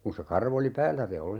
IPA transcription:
kun̞ se kɑrʋ oli pæːlːæ se ol

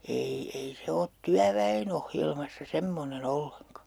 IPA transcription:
ei ei se ot tyæʋæen ohjelmɑsːɑ semːonen olːeŋkɑ

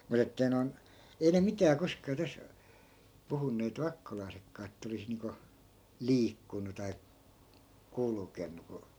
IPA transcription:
mut etːei non ei ne mitæː koskɑː tæs puhunːeːt ʋɑkːolɑi̯sekːɑː etːæ olis niːŋko liːkːunu tɑi kulkenːu ku

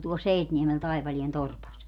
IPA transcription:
tuol seitniemel tɑipɑlien torpɑs

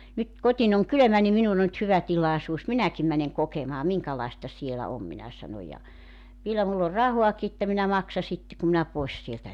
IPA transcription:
nyt kotin oŋ kylømæ ni minun o ny̆t hyʋæ tilɑˑesuːs minækim mæneŋ kokemɑː miŋkɑlɑˑestɑ sielæ om minæ sɑno jɑ ʋielæ mulː or rɑhuɑki etːæ minæ mɑksɑ sitːe kum minæ poes sieltæ

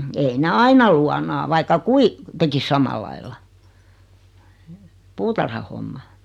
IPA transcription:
ei ne ɑinɑ luɑnɑː ʋɑikɑ kui tekis sɑmɑlɑilːɑ puːtɑrhɑhomːɑ

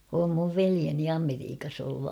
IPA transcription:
om muʋ ʋelieni ɑmeriːkɑs olːu

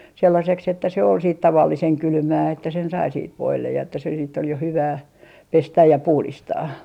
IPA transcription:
selːɑseks etːæ se ol siːt tɑʋɑlːiseŋ kylmæː etːæ sen sɑi siːt ʋoilːej jɑ etːæ se siːtː ol jo hyʋæː pestæj jɑ puhlistɑː

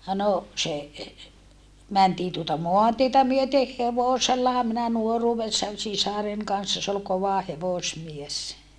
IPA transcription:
no se mæntiː tuotɑ moɑntietæ myøteh heʋoselːɑhɑ minæ nuoruːʋesːɑn sisɑren kɑnsːɑ s ol koʋɑ heʋosmies

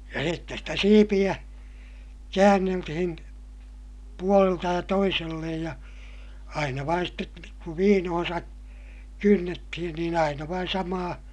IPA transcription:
jɑ sitːes stæ siːpij̆æ kæːnːeltihin puoleltɑ jɑ toiselːej jɑ ɑinɑ ʋɑin stet kuʋ ʋiːnohõːsɑ kynːetːihin niːn ɑinɑ ʋɑin sɑmɑː

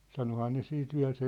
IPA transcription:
sɑnohɑː ne siːt ʋiæ̝l se

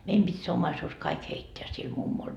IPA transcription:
meim pitʲ se omːɑisuːs kɑik heitːeæ sil mumːol

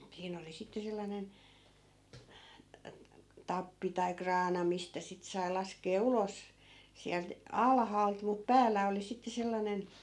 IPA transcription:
siːn oli sitːe selːɑnen tɑpːi tɑi krɑːnɑ mistæ sit sɑi̯ lɑskeː ulos siælt ɑlhɑːlt mut pæːlˑæ oli sitːe selːɑnen

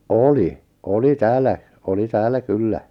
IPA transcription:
oli oli tæːlːæ oli tæːlːæ kylːæ

